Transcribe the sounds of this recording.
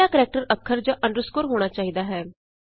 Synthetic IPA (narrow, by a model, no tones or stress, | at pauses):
aːkəɾɛːk̚ʈəɾəkʰːəɾd͡ʒaːʔə̃ɳɖəɾəskʊːɾɦoːɽ̃aːt͡ʃaːɦid̪aːɦɛː